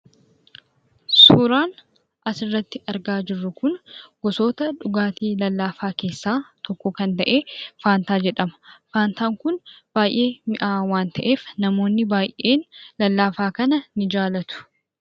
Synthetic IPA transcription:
suːɾaːn | ʔɐsɪrːɐt̪ːɪɐɾɡaːd͡ʒɪrːʊkʊnɡ̥ɔso̞ːt̪ɐᶑʊɡaːt̪iːlɐlːaːfaːke̞ːsːaːt̪ɔkːɔkɐnt̪ɐʔe̞ːfaːnt̪aːd͡ʒɛᶑɐmɐ̥faːnt̪aːŋkʊnb̥aːjʔe̞ːmɪʔaːwaːnt̪ɐʔe̞ːfnɐmo̞ːnːɪbaːjʔe̞ːnlɐlːaːfaːkɐnɐnɪd͡ʒaːlɐt̪ʊ̥

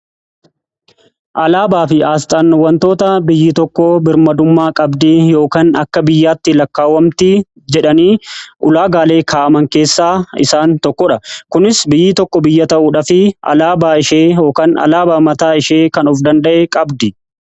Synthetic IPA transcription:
ʔɐlaːbaːfɪaːst̪ʼaːnːʊwːɐnt̪o̞ːt̪ɐbɪjːɪt̪ɔkːɔbɪɾmɐd̪ʊmːaːkʼɐbd̪iːjo̞ːkaːnɐ̰kːɐbɪjːaːt̪ːɪlɐkːaːwɐmt̪ɪ | d͡ʒɛᶑɐniːʔʊlaːɡaːle̞ːkʰaːʔɐmɐŋke̞ːsːaːɪ̰saːnt̪ɔkːɔᶑɐkʊnɪsbɪjːɪt̪ɔkːɔbɪjːɐt̪ɐʔuːᶑɐfɪɐ̰laːbaːɪʃeːjo̞ːkaːnɐ̰laːbaːmɐt̪aːɪʃeːkɐnʊfd̪ɐnd̪ɐʔekʼɐbd̪i

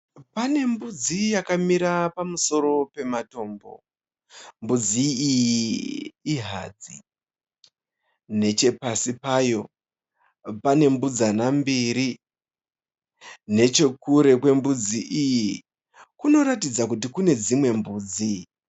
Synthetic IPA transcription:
pane̞mbud͡zijakamiɾapamuso̞ɾo̞pe̞mato̞ːmbo̞̰ | mbud͡ziːjiː | ɦa̰ːd͡zi | ne̞t͡ʃe̞pasipajo̞ | pane̞mbud͡zanambiɾi | ne̞t͡ʃe̞kuɾe̞kwe̞mbud͡ziʔiji | kuno̞ɾatid͡zakut̬ikune̞d͡zimwe̞mbuːd͡zi

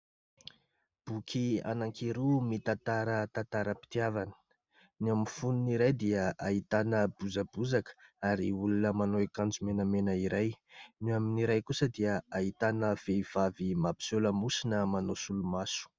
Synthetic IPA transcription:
b̥ukʰia̰naŋkiɾumit̪ant̪aɾət̪ant̪aɾəpi̥t̪iavanə̥ | naminfununiɾajd̪iəait̪anəbuzabuzakə̥aɾiulunəmanoekand͡zumenəmenəiɾajnuaminiɾajkusəd̪iəait̪anəv̥eiv̥avimapi̥soləmusinəmanosulumasu̥

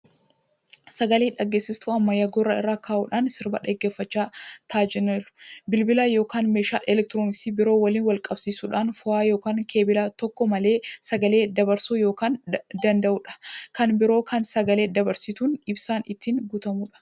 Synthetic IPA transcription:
sɐɡɐleːᶑɐɡːe̞ːsɪst̪uɐmːɐjɐɡorɐɪ̰rːaːkaːʔuːᶑaːnsɪɾbɐᶑɐɡːe̞ːfːɐt͡ʃːaːt̪ʰaːd͡ʒɛnɛɾʊ̥bɪlbɪlaːjo̞ːkaːnmeːʃa̰ːlʔɛlɛk̚t̪ɪɾoːnɪkst̪iːbɪɾo̞ːwɐliːnwɐlkʼɐbsiːsuːᶑaːnfʊʔaːjoːkaːŋkʰe̞ːbɪlaːt̪ɔkːɔmɐle̞ːsɐɡɐle̞ːd̪ɐbɐɾsuːjo̞ːkaːnd̪ɐnd̪ɐʔʊᶑɐ̥kɐnbɪɾoːkɐnsɐɡɐle̞ːd̪ɐbɐɾsɪt̪uːnɪbsaːnɪt̪ːiːnɡut̪ɐmuᶑɐ̥

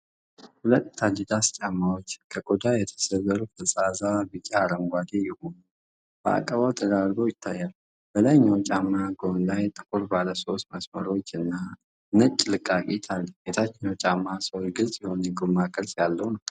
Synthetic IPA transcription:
hulət̪ːʰad͡ʒid̪ast͡ʃʼamːawot͡ʃːkʰəkʼod̪ajɛt̪ʰə̥səzəɾufəsʼazabɨt͡ʃʼːaːɾəŋɡʷad̪ejɪhonu | b̥əa̰kʼəβawt̪ʰəd̪aɾɡojɪt̪ʰːajːal | bəlaɲːawnt͡ʃʼamːaɡo̞nlajt̪ʼɨkʼuɾbaləsost̪məsməɾo̞t͡ʃːɨnːa | nət͡ʃʼːlɨkʼːakʼit̪ʰalːbet̪ʰat͡ʃːɪɲot͡ʃʼamːasəwot͡ʃɡɨlsʼjiho̞njɛɡomːakʼɨɾsʼjalːəhwnəw

